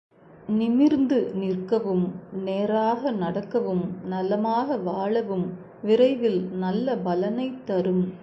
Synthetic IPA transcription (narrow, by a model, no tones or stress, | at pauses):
nɪmɪɾnd̪ɯnɪrkɐʋɯmneːɾaːɣɐnɐɽɐkːɐʋɯmnɐlːɐmaːɣɐʋaːɭɐʋɯm | ʋɪɾɐɪʋɪlnɐlːɐbɐlɐnɐɪt̪ːɐɾɯm